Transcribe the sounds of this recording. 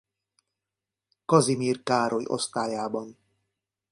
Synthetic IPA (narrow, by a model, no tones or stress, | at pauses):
kɒzimiːrkaːɾʔojo̞̰st̪aːjaːbɒn